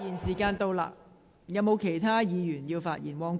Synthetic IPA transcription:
jiː˨˩nsiː˨˩kaː˧nt̪o˧wla̰ː˧ | jɐ˨˧wmo˨˧wkʰe˨˩jt̪ʰaː˥jiː˨˧jyː˨˩njiː˧wfaː˧t̚jḭː˨˩nwɔː˨˧ŋ

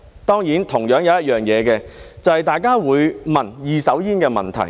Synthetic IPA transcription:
t̪ɔː˥ŋjiː˨˥nt̪ʰʊ˨˩ŋjœː˨˥ŋjɐ˨˧wjɐ˥t̚jœː˨ŋjɛː˨˧kɛː˧t͡sɐ˨whɐ˨jt̪aː˨jkaː˥wuː˨˧jmɐ˨njiː˨˧sɐ˨˥wjiː˥nkɛː˧mɐ̰˨nt̪ʰɐ̰˨˩j

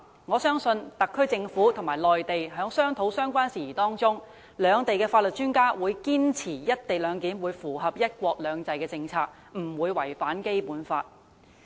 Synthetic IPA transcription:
ŋɔː˨˧sœː˥ŋsɵ˧nt̪ɐ˨kʰːɵ˥ɥt͡sɪ˧ŋfuː˨˥t̪ʰŋmaː˨˩jlɔː˨jt̪e˨jɦœː˨˥ŋsœː˥ŋt̪ʰo˨˥wsœː˥ŋkʷaː˥nsiː˨˩iː˨˩t̪ɔː˥ŋt͡sʊ˥ŋ | lœː˨˧ŋt̪e˨jkɛː˧faː˧t̚lɵ˨t̚t͡ʃyː˥nkaː˥wuː˨˧jkiː˥nt͡sʰiː˨˩jɐ˥t̚t̪e˨jlœː˨˧ŋkiː˨˥nwuː˨˧jfuː˨˩ɦɐ˨p̚jɐ˥t̚kʷɔː˧k̚lœː˨˧ŋt͡sɐ˨jkɛː˧t͡sɪ˧ŋt͡sʰaː˧k̚ | m̩˨˩wuː˨˧jwɐ˨˩jfaː˨˥nke˥jpuː˨˥nfa̰ː˧t̚

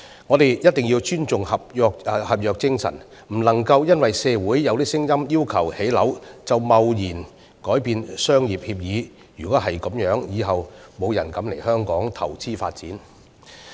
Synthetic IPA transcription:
ŋɔː˨˧t̪e˨jjɐ˥t̚t̪ɪ˨ŋji˧wt͡ʃyː˥nt͡sʊ˨ŋhɐ˨p̚jœː˨˧k̚ːhɐ˨p̚jœː˨k̚t͡sɪ˥ŋsɐ̰˨˩n | m̩˨˩lɐ˨˩ŋkɐ˧wjɐ˥nwɐ˨jsɛː˧wuː˨˥jjɐ˨˧wliː˥sɪ˥ŋjɐ˥mjiː˥wkʰɐ˨˩whe˨˥jlɐ˨˥wt͡sɐ˨wmɐ˨wjiː˨˩n | kɔː˨˥jpiː˨˧nsœː˥ŋjiː˨p̚hiː˧p̚jiː˨˧ | jyː˨˩kɔ˨˥hɦɐ˨jkɔ˨˥mjœː˨˥ŋjiː˨˧ɦɐ˨wmo˨˧wjɐ˨˩nkɐ˨˥mle˨˩jhœː˥ŋkɔː˨˥ŋt̪ʰɐ˨˩wt͡sʰiː˥fa̰ː˧t̚t͡siː˨˥n

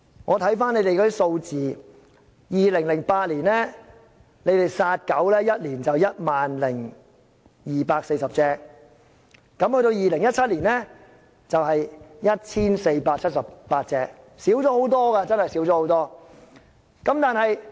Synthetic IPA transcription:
ŋɔː˨˧t̪ʰɐ˨˥jfaː˥ne˨˧jt̪e˨kɔː˧d̪i˥kso˧wt͡siː˨ | jiː˨lɪ˨˩ŋlɪ˨˩ŋpaː˧t̚liː˨˩nlɛː˥ | ne˨˧jt̪e˨jsaː˧t̚kɐ˨˥wlɛː˥jɐ˥t̚liː˨˩nt͡sɐ˨wjɐ˥t̚maː˨nlɪ˨˩ŋ | jiː˨paː˧k̚se˧jsɐ˨p̚t͡sɛː˧k̚ | ɐ˨˥mhɵ˧t̪o˧wjiː˨lɪ˨˩ŋjɐ˥t̚t͡sʰɐ˥t̚liː˨˩nlɛː˥ | t͡sɐ˨wɦɐ˨jjɐ˥t̚t͡sʰiː˥nse˧jpaː˧k̚t͡sʰɐ˥t̚sɐ˨˩ppaː˧t̚t͡sɛː˧k̚ | siː˨˥wt͡sɔː˨˥ho˨˥wt̪ɔː˥ɡa˧t͡sɐ˥nhɐ˨jsi˨˥wt͡sɔ˨˦ho˨˥wt̪ɔː˥ | kɐ˨˥mt̪aː˨nhɐ˨j

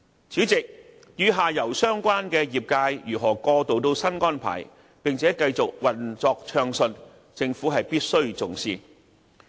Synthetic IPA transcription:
t͡sʰyː˨˥t͡sɪ˨k̚ | jyː˨˧ɦaː˨˩jɐ˨˩wsœː˥ŋkʷaː˥nkɛː˧jiː˨˩p̚kaː˧jjyː˨˩ɦɔː˨˩kɔː˧t̪o˨wt̪̬o˧wsɐ˥nkɔː˥npʰa̰ː˨˩j | pɪ˨˩ŋt͡sʰɛː˨˥kɐ˧jt͡sʊ˨k̚wɐ˨nt͡sɔː˧k̚t͡ʃʰœː˧ŋsɵ˧n | t͡sɪ˧ŋfuː˨˥ɦɐ˨jpiː˥t̚sɵ˥ɥt͡sʊ˨ŋsiː˧n

